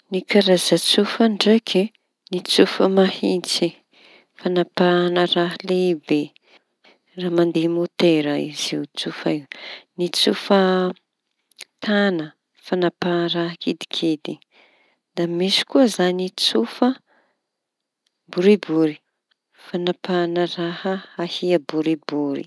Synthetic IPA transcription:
nikaɾazat͡sufəɳɖ͡ʐekʰi | nit͡sufəmahint͡si | fanapanəraɦlebe | raːmand̪emot̪eɾəḭziwt͡sufa̰iwnit͡sufə | t̪anə | fanaparaɦəkid̪i̥kʰed̪i | d̪̥amisi̥kuəzanit͡sufə | buɾibuɾi̥ | fanapanərahəahiəbuɾibuɾḭ

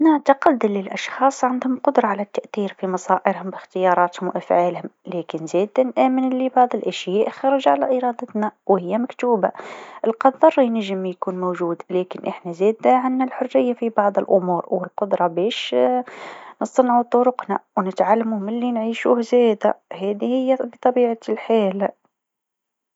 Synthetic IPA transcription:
naʕt̪aqɑd̪ːalːɪlʔɑʃxɑːsˤʕand̪hʊmqʊd̪ɾˤɑʕalæt̪ːaʔθiːɾfimɑsˤɑːʔɪɾhʊmbɪxt̪ɪjɑːɾˤɑːt̪hʊmwʔafʕaːlhʊmlæːkɪnzeːd̪anʔæːmɪnlibɑʕðˤəlʔaʃjæːʔxɑɾˤɑʒʕalæʔɪɾˤɑːd̪ɑt̪nawhɪjːæmakt̪uːbaʔəlqɑðˤːɑrˤijnəʒːəmjkuːnmowʒuːd̪læːkɪnʔəħnæzæːd̪aʕanːalħʊrːɪjːafibɑʕðˤəlʔʊmuːɾwɪlqʊd̪ɾˤɑbɛːʃ | nəsˤɑnʕut̪ˤʊɾʊqnawnət̪ʕalːamuhmɪlːinʕiːʃuːhzæd̪æ̰hæd̪ihɪjːæbət̪ˤɑbiːʕalħaːl

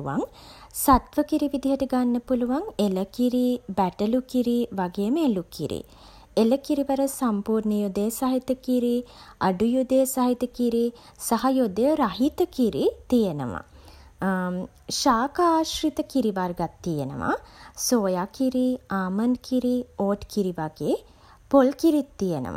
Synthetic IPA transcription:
ʋa̰ŋsat̪ʋəkiɾiʋid̪iɦəʈəɡanːəpuluʋaŋeləkiɾibæʈəlukiɾiʋaɡejəməelukḭɾḭ | eləkiɾiʋɐɾəsampuːɾnəjod̪ejsaɦit̪əkiɾiaɖujud̪ejsaɦit̪əkiɾi | sɐɦɐjod̪jəɾɐɦit̪əkiɾit̪ijenə̰ʋɐ̰ | ʃaːkaːʃɾit̪əkiɾiʋaɾɡat̪ːijenə̰ʋa̰soːjakiɾiaːmɐnkiɾioːʈkiɾiʋaɡeː | polkiɾit̪ːijenə̰ʋa̰

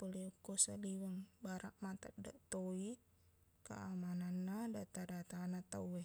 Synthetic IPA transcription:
pəliukːusaliwəŋbaɾaʔmat̪əʔ̚da̰ʔt̪oi | kə̰amananːadat̪adat̪anat̪a̰uwɛ

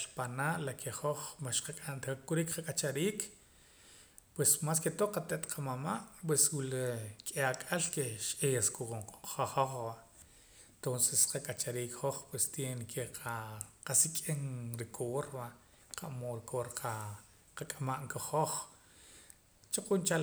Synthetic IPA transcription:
ʃpanaːʔlakʰeχoχmaʃqakʼankuɾikqakʼat͡ʃaɾiːk | pwesmas̬ket̪oqat̪eʔt̪qʰamamaʔpweswulekʼeakʼalkeʃʔejaskuoŋqaχoχbaʔ | ent̪onsesqakʼat͡ʃaɾiːkχoχpwest̪jenekʰeqʰaqasikʼenɾikʰoːɾba | qʰaʔmoːɾikoːɾqʰa | qakʼamaʔŋkaχoχ | t͡ʃaqunt͡ʃa

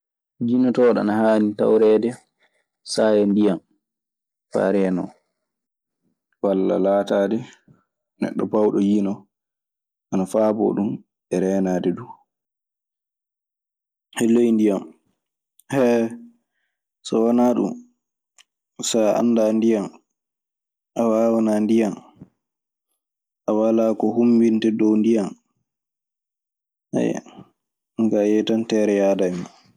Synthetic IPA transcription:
d͡ʒinɔtɔɗa̰nahaːnita̰wɾɛːdɛ | sajɛndijam | fa̰ɾɛnɔ̰ | walːa̰laːtaːdɛ | nɛ̰ɗːɔpawɗɔjinɔ | ʔanafaːbɔ̰ɗum | ɛɾɛːnaːdɛdu | hɛlːejndijam | hɛ | sɔwanaɗṵm | saa̰nːdandijan | ʔawawanandijan | ʔawalaːkɔhumbintɛdɔwndijan | hɛ̰j̰ | ŋkajɛtantɛːɾɛjaːdaɛma

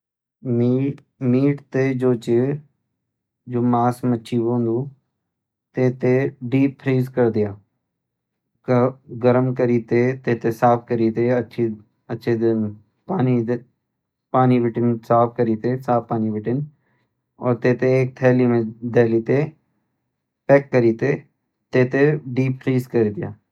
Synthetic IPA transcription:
mi | miːʈt̪ed͡ʒoːt͡ʃe | d͡ʒoːmaːsmətːʃʰibõːnd̪uː | t̪eːt̪eɖiːpʰːɾiːzkəɾd̪ɪjaː | ɡəɾəmkəɾiːt̪eːt̪eːt̪esaːp̚ʰkəɾiːt̪eːətːʃʰi | ətːʃʰed̪n | paːni | paːnibɪʈɪnsaːpʰkəɾiːt̪esaːpːaːnibɪʈɪn | ɔ̰ːɾt̪eːt̪eeːk̚t̪ʰɛːlimẽd̪ɛːliːt̪e | pɛːkːəɾiːt̪e | t̪eːt̪eɖiːppɾiːzkəɾid̪ɪjaː

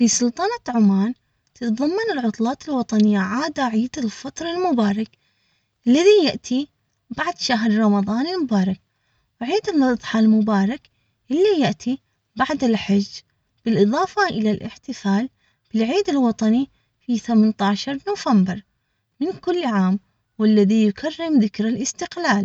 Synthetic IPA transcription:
fisˤʊlt̪ˤɑnat̪ʕʊmaːn | t̪ɨt̪ðˤɑmːɑnɪlʕʊt̪ˤlɑːt̪ɪlwɑt̪ˤɑnɪjːaʕaːd̪aʕiːd̪ɪlfɑt̪ˤɾˤɑlmʊbɑːɾˤɑk | ʔɪlːaðijaʔt̪ʰi | baʕd̪ʃaɦɾˤɾˤɑmɑðˤɑːnɪlmʊbɑːɾˤɑk | wʕiːd̪ɪnːɨðˤħɑlmʊbɑːɾˤɑk | ʔɪlːijaʔt̪ʰi | baʕd̪ɪlħad͡ʒː | b̥ɪlʔɨðˤɑːfɑʔɪlalʔɪ̰ħt̪ɪfaːl | b̥ɪlʕiːd̪ɪlwɑt̪ˤɑni | fiθamant̪ɑːʃɑɾˤnuːvambɪɾˤ | mɪnkʊlːʕaːm | wɪlːaðijʊkʰarːɪmðɪkɾalʔɪst̪ɪqlaːl

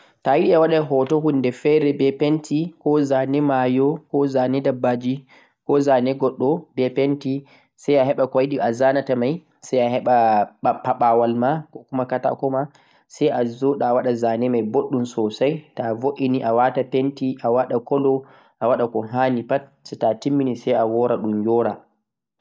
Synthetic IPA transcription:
tajiɗiawaɗaɦɔtɔhunːdɛfɛɾɛbɛpentʰikɔzanɛmajɔkɔzanɛdabːad͡ʒi | kɔzanɛɡɔɗːɔbɛpenti | sajaɦɛɓakajɗiʔazanatamaj | sajahɛɓaɓapːaɓawalmakɔkumakata̰kɔma | sajʔazɔɗaːwaɗazanɛmajboɗːumsɔsajtavoʔiniʔawatapentiʔawaɗakɔlɔ | ʔawaɗakɔɦanipatsɛtatimːinisajawɔɾaɗumjɔɾa

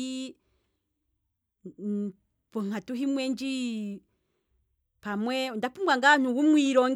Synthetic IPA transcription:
pɔŋ̥hatuɦimwɛnd͡ʒi | pamwɛndapumbwaŋɡan̥uwumwiɾɔŋ

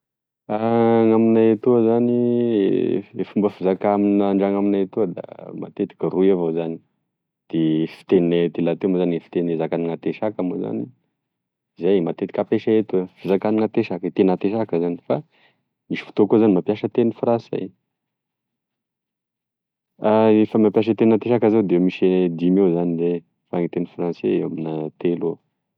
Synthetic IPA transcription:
aŋaminajat̪uəzani | efumbəfizakaminaɳɖ͡ʐaŋaminaet̪uəd̪a̰ma̰t̪et̪i̥kʲəruavozani̥ | d̪̥efi̥t̪eninet̪ilat̪emozanefi̥t̪enezakaniŋat̪eʃakamoza̰ni | izajmat̪et̪i̥kapeʃaet̪uəv̥izakaniŋat̪eʃakət̪enat̪eʃakəzani̥fa | miʃi̥fu̥t̪okozanimapjaʃət̪enifransa̰j | aefəmapjaʃ̬ət̪enat̪eʃakəzewd̪emiʃed̪imewzanile | faŋit̪enifranseewaminat̪elo

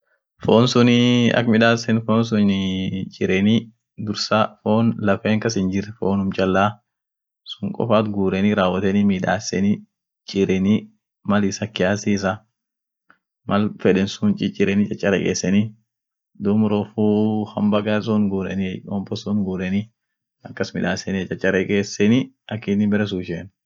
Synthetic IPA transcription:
foːnsʊnɪɐ̰kmɪᶑaːsɛnfoːns̬ʊnnt͡ʃʼɪɾɛni | d̪ʊɾsaːfoːnlɐfeːŋkɐs̬ɪnd͡ʒɪɾfoːnʊmt͡ʃʼɐlːaː | sʊŋkʼɔ̰faːt̪ɡuːɾɛniɾaːwːɐt̪ɛnimiːᶑa̰ːsɛni | t͡ʃʼɪɾɛni | mɐlɪsɐkːɪjaːsiːs̬ɐ | mɐlfɛᶑɛnsunt͡ʃʼɪt͡ʃʼɪɾɛnɪt͡ʃʼɐt͡ʃʼːɐɾɛkʼḛːsːɛni | d̪ʊmɾɔfuːhɐmbɐɡasunɡuːɾɛ̰niɔmpɔsuːnɡuːɾɛni | ɐkːɐsmɪ̰ᶑaːsɛnt͡ʃʼɐt͡ʃʼːɐɾɛkʼeːsːɛni | ɐkːiːnɪbɛɾɛs̬uːʃeːn

